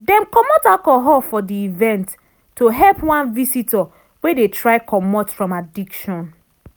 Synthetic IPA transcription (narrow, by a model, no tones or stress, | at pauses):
dɛ̃mkɔmɔtakɔɦɔfɔdiivɛ̃ntː | oɦɛlpwãnvisitɔ | wedetɹaɪkʰɔmɔtfɹɔ̃madikʃɔ̃n